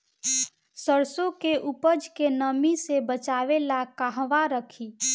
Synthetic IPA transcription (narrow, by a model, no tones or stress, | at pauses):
səɾsõkeʔupəd͡ʒkenəmisebət͡ʃaːʋelakaɦʋaɾəkʰiː